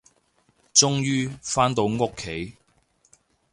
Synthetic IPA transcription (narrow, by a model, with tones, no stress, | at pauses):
t͡sʊ˥ŋjyː˥faː˥nt̪o˨˧wŋʊ˥kʰːe˨˥j